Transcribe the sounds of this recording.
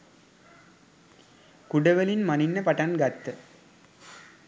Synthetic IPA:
kʊɽɐʋɐlɪnmɐnɪnːɐpɐʈːɐnɡɐt̪ːɯ

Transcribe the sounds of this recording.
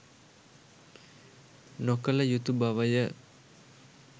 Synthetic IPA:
nokələjut̪ubaʋəjə

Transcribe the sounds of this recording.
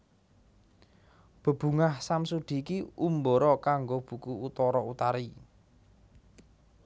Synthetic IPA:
b̥ə̤b̥ṳŋahsamsud̪̥i̤ːkiumboɾɔkaŋɡob̥ṳkuut̪ɔɾɔut̪aɾi

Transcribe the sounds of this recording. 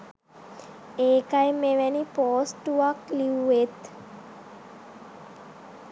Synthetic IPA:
eːkajmeʋɛnipoːsʈuʋakliuet̪

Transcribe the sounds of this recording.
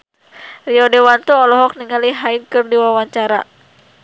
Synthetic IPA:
riɔdɛwant̪uɔlɔɦɔk̚niŋaliɦainkɨrdiwawaɲt͡ʃaɾa̰

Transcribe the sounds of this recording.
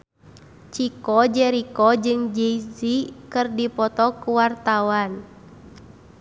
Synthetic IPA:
t͡ʃikɔd͡ʒɛɾikɔd͡ʒɨŋd͡ʒɛizikɨrdipɔt̪ɔkuwart̪awan

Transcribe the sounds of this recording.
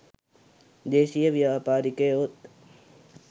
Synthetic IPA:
d̪eːʃijɐʋjaːpaːɾikeːot̪

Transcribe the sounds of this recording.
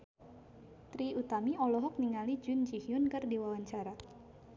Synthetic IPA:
t̪ɾiut̪amiɔlɔɦɔk̚niŋalid͡ʒʊnd͡ʒihiʊnkɨrdiwawaɲt͡ʃaɾa

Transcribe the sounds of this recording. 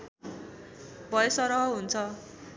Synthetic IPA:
bʱʌjesʌɾʌɦʌɦunt͡sʰʌ

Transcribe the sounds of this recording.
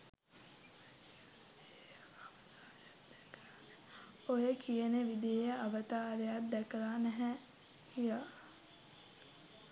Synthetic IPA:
t̪ː | k | ojəkʰijəneʋid̪ijejəɐʋət̪aːɾejat̪̚d̪ɛkəlanɛɦɛ | hija

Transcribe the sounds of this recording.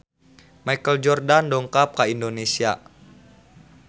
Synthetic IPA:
majkəld͡ʒɔrdandɔŋkap̚kaindonesia̰

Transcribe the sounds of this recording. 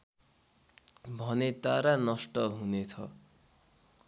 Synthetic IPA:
bʱʌnet̪aɾanʌsʈʌɦunet͡sʰʌ̰

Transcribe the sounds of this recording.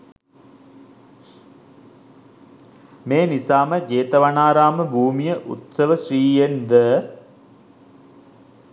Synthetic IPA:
meːnisaːməd͡ʒeːt̪ɐʋanaːɾaːməbʱuːmijəʔṵt̪səʋəʃriːjend̪ə

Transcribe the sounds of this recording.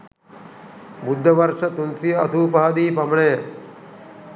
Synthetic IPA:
bud̪ʱːɐʋɐɾʂɐt̪unt̪ijɐɐ̰t̪ʰuːpaɦd̪iːpɐmɳeː

